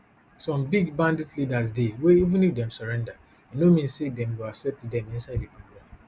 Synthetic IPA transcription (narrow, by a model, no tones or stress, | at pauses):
sɔ̃mbiɡbãndidlidasdeweivũnifdɛ̃msɔɹɛ̃nda | jinomĩnsedɛ̃mwiasɛtdɛ̃mĩnsaɪdipoɡɹãm